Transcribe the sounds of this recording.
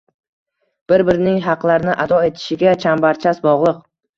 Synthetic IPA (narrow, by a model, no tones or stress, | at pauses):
b̥ɪɾbɪɾɪnɪŋɦɑqlˠaɾɪnɪʔad̪ɒe̞t̪ʰɪ̥ʃɪɡʲat͡ʃʰambaɾt͡ʃʰasbɒʁlˠɨq̚